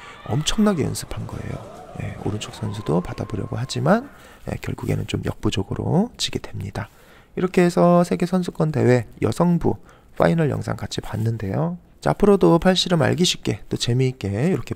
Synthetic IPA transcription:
ʌ̰mt͡ɕʰʌŋnaɡe̞ɯ̰nsʰɯ̥pʰanɡʌ̰e̞̰jo̰je̞̰o̰ɾɯnt͡ɕʰok̚s͈ʰʌnsʰudopadaboɾjʌ̰ɡoɦad͡ʑiman | je̞̰kjʌɭɡuɡe̞̰nɯnt͡ɕomjʌk̚p͈ud͡ʑoɡɯɾo̰t͡ɕiɡe̞dwemɲida | iɾʌkʰe̞ːsʰʌsʰe̞ɡe̞sʰʌns̬ʰuk͈ʌnde̞we̞jʌ̰sʰʌŋbṵ | ɸʰa̰inʌɭjʌ̰ŋsʰa̰ŋkat͡ɕʰipanːɯnde̞jo | t͡ɕeapʰɯɾodopʰaɭɕ͈iɾɯma̰ɭɡiɕʰi̥p̚k͈e̞t͈ot͡ɕe̞mik͈e̞iɾʌkʰe̞

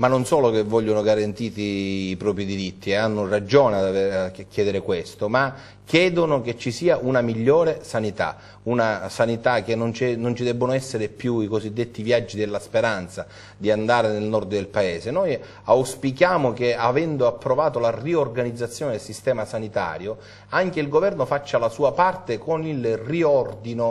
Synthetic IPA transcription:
manːonsɔːlok̟evːɔʎːonoɡaɾant̪iːt̪iːpɾɔːpɾid̪iɾit̪ʰːieanːʊrad͡ʒɔːnead̪avekːjɛːd̪eɾɪkwest̪oma | kʰːjɛːd̪onok̟et͡ʃːisiːaʔunamiʎːoːɾesanit̪a̰ | unasanit̪ak̟ːenːont͡ʃɛnːont͡ʃid̪ɛbːonoɛsːeɾepjuikozid̪ːet̪ːivjad͡ʒːid̪elːaspeɾant̪sa | d̪iand̪aːɾenelnɔrd̪d̪elpaeːsenoj | awspikjaːmokeavɛnd̪oapːɾovaːt̪olariorɡanid̪zːat̪sːjoːned̪elsist̪ɛːmasanit̪a̰ːɾjo | aŋkeilɡovɛrnofat͡ʃːalasuːapart̪ekonilriɔrd̪ino

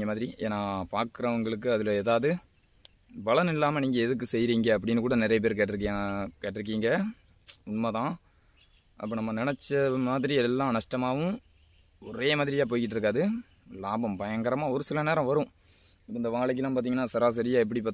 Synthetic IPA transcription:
ŋɡɐmaːðɪɾieːnaːpaːɾkɯɾɐʋɐŋɡɐɭɯkːɯɐðɪleːðaːʋɐðɯ | bɐɭɐnɪlːaːmɐniːŋɡɐɛðɯk̬ːɯsɛjɾiːŋɡɐːp̬ːɐɽɪnːɯkuːɽɐnɪɾɐjɐp̬eːɾk̬eːʈːɾɯk̬ːjãkeːʈːɪɾɯk̬ːiːŋɡɐ | ʊɳmɐt̪ãː | ʔɐ̰pːɐːnɐmːɐnɪnɛt͡ʃːɐmaːðɪɾiɛlːãːnɐʂʈɐmaːʋɯ̃ | ɔɾeːmaːðɪɾɪjaːp̬oːjkɪʈːɾɯk̬ːaːðɯ | laːbɐmpɐjɐŋɡɐɾɐmaːɔɾɯsɪlɐneːɾɐ̃ʋɐɾʊ̃ | ɪpːoːɪnd̪ɐʋaːɭɐk̬ːɪlːãːpaːɾt̪iːŋɡɐnːaːsɐɾaːs̬ɐɾɪjaːɛp̬ːɐɽipːaːt̪

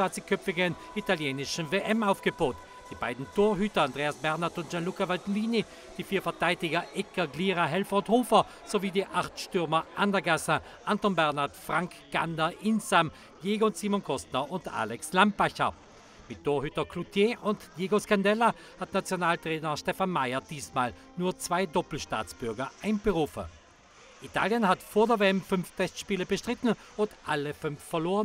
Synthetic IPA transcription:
aːt͡sikʰœpp͡ffɪɡən | italjeːnɪʃn̩veːʔɛmaʊfɡ̥əbaːt | d̥iːba̰ɪdn̩tʰoːɐɦyːtɐandʁeːasb̥ɛʁnaɐtʊntd͡ʒ̥anlukavaltliːni | d̥iːfiːɐfɛɐtʰaɪdɪɡɐʔɛkɐɡliːʁaɦɛlfɐʊnthoːfɐ | z̥oviːdiːʔaχtʃtʏɐmɐʔandɐɡasə | ʔantɔnbɛʁnaɐtfʁ̥aŋk | ɡ̥a̰ndɐʔɪnsam | jeːɡonsiːmɔnkʰɔstnɐʔʊnta̰ːlɛkslampaçɐ | mɪt̚d̥oːɐhʏtɐkʰlutʰjeːʔʊntjeːɡoskandɛla | hatnat͡sjonaːltʁ̥ɛːnɐʃtɛfanmaɪɐd̥iːsmaːl | nuːɐt͡sv̥aɪdɔpl̩ʃta̰ːt͡sb̥ʏɐɡɐʔaɪnb̥əʁuːfə̰ | ʔitʰa̰ːljənhatfoːɐdeɐveɛmfʏnftʰɛstʃpiːləbəʃtʁ̥ɪtn̩ʊntʔaləfʏnfːɛɐloːʁən

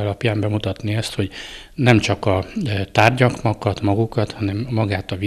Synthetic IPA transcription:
ɒlɒpjaːmbɛmut̪ɒt̪niɛst̪ho̞ɟ | nɛmt͡ʃɒkɒt̪aːrɟɒkmɒkɒt̪mɒɡukɒt̪hɒnɛmːɒɡaːt̪ɒvi

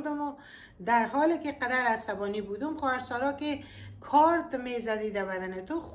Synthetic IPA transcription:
d̪ʊmʊ | d̪aɾɦɔlekɪqad̪aɾasabɔnibud̪umxɔaɾsɔɾɔke | kʰɔɾt̪mezad̪id̪abad̪anet̪o

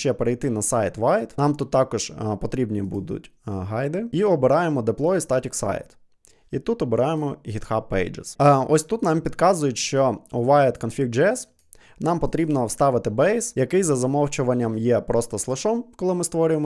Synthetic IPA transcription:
t͡ʃɛpeɾejt̪ɪnɐsɑjt̪ʋɑjd̪nɑmt̪ut̪ːɑkɔʒ̥pɔt̪ɾʲibnʲibud̪ʊ̰tʲɦɑjd̪ɪiɔbɪɾɑjemɔd̪eplˠɔjist̪ɑtʲiksɑ̰jt̪ | it̪ut̪ɔbɪɾɑjemɔɦʲit̪xɑpːɛ̰jd͡ʒḛsɔsʲt̪ut̪nɑmpʲid̪kɑzʊjʊtʲʃt͡ʃɔʊʋɑjt̪kɔnfʲik̚d͡ʒɛɛs | nɑmpɔt̪ɾʲibnɔwst̪ɑʋɪt̪ɪbɛjsjɐkɪjzɐzɐmɔft͡ʃʊʋɐnʲːɐmjɛpɾɔst̪ɔslˠɪʃɔmkɔlˠɪmɪst̪ʋɔɾʲʊjemɔ

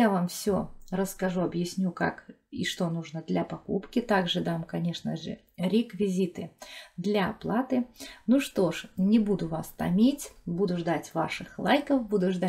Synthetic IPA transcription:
javamfsʲo̰rəskɐʐuɐbjɪsʲnʲuka̰kḭʂt̪o̞nuʐnəd̪lʲɐpɐkṵpkʲɪt̪aɡʐɨd̪amkɐnʲe̞ʂnə̰ʐɨ̰ | ɾʲɪkvʲɪzʲit̪ɨd̪lʲɐɐplˠat̪ɨnuʂt̪o̞ʂnʲɪbud̪ʊvast̪ɐ̰mʲitʲbud̪ʊʐd̪atʲva̰ʂɨxlˠajkəfbud̪ʊʐd̪a

